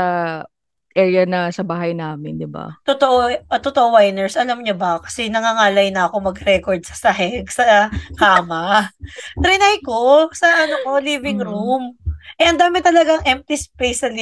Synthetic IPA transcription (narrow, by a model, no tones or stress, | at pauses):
ɐ | ʔɛːɹjɐnɐsɐbaːɦɐjnaːmɪnd̪ɪba̰t̪ot̪oʔoʔt̪ot̪oʔowajnɛɹsʔɐlɐmɲobɐkɐ̥sɛnɐŋaːŋaːlɐjnɐʔɐko̞mɐɡɾɛkoɹd̪̚sɐ̥sɐɦɛɡsɐhaːmɐ | t̪ɾɪnajko̞sɐʔɐnoko̞liːvɪŋɾumʔɛʔɐnd̪aːmɪt̪ɐlɐɡaŋʔɛmp̚t̪ɪspejsɐl